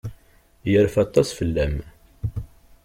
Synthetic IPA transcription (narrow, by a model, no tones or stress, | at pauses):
jəɾfɑt̪ˤːɑsfəlːæm